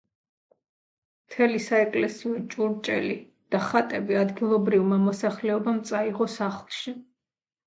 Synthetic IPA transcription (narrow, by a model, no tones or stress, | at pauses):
mt̪ʰɛlisaɛkʼlɛsiɔt͡ʃʼuɾt͡ʃʼɛ̰li | d̪̥aχat̪ʼɛbiad̪ɡilˠɔbɾivmamɔsaχlɛɔbamt̪sʼaiʁɔsaχlˠʃi